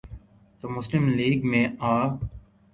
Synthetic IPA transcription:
t̪oːmʊslɪmliːɡmẽaː

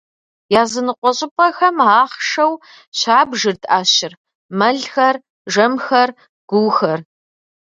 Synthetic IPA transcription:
jaːzɨnɨqʷɔɕʼɪpʼɐxɐmaːχʂɐw | ɕaːbʒɨrtʰʼaːɕɪr | mɐɮxɐr | ʒɐmxɐr | ɡ̥ʷʊwxɐr

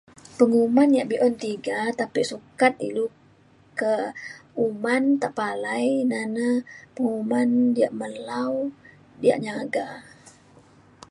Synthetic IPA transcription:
pəŋumanijaʔbiʔɔnt̪iɡat̪apisukat̪̚ḭlu | kəumant̪aʔpalajnanapəŋumandiaʔməlaw | dia̰ʔɲaɡa

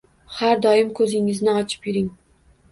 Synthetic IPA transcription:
haɾd̪ɒjɪmkʰɵzɪŋɪznɪɒt͡ʃʰɪ̥pjɪɾɪŋ

